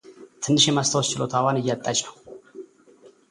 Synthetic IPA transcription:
t̪ʰɨnːɨʃɛmast̪ʰəwɔst͡ʃɪlo̞t̪ʰawanɨjːat̪ʼːat͡ʃʼnəw

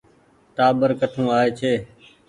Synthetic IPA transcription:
ʈaːbəɾkəʈʰũːaːeːt͡ʃʰeː

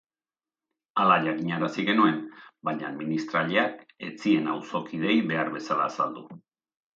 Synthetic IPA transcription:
alaʎakiɲaɾasiɣe̞nue̞nbajɲa̰ðminist̪ɾaʎeake̞t͡sie̞na̰wso̞kið̞e̞jβe̞aɾβe̞sala̰ːsald̪u

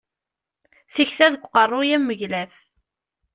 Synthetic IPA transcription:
θiçθæðəɡʷqərˤːʊjæmːəʝlæf

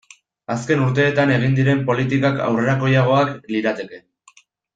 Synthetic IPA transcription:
aske̞nuɾt̪e̞ːt̪ane̞ɣind̪iɾe̞mpo̞lit̪ikaka̰wre̞ɾako̞jaɣ̞o̞akliɾat̪e̞ke̞

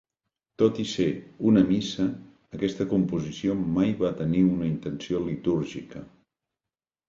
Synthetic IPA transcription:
t̪ot̪iseunəmisəː | kɛst̪əkumpuzisiomajβat̪əniunəint̪ənsiolit̪uɾʒikə

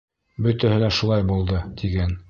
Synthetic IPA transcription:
bɵ̆t̪æhɘlæʃulˠɑjbulˠd̪ɤt̪ʰiɡæn

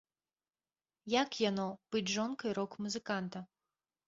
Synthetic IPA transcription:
jakjanɔb̥ɨd͡zʲʐɔnkɐjɾɔkmuzɨkant̪ɐ

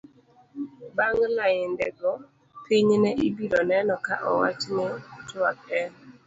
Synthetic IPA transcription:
baŋlajɪndɛɡɔ | pɪɲnɛʔibiɾɔnɛnɔkaʔɔwat͡ʃnɪtwakɛn

